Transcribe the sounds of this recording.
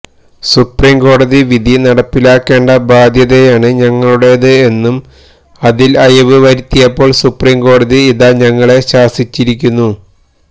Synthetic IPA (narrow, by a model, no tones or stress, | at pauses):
supriːmɡo̞ːɽɐðiʋid̪ʱinɐɽɐpːilaːkːe̞ːɳɖɐbʱaːd̪ʱjɐðejaːɳɨɲɐŋːɐɭuɽe̞ðɨe̞nːum | ɐðilɐjɐʋɨʋɐɾit̪ːijɐpːo̞ːɭsupriːmko̞ːɽɐðiːðaːɲɐŋːɐɭe̞ɕaːsit͡ɕːiɾik̬ʲːunːu